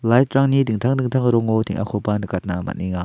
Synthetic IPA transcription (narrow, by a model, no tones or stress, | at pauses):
lajtɾaŋnidɯŋt̪ʰaŋdɯŋt̪ʰaŋɾɔŋotʰiŋʔa̰kʰɔpanɯkat̚nama̰ʔ̚niŋa